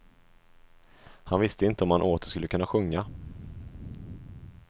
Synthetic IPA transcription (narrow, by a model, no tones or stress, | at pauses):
hanvɪst̪əɪnt̪əɔmhanʔoːt̪ə̥ʂkɵlːəkʰɵnːaɧɵŋːa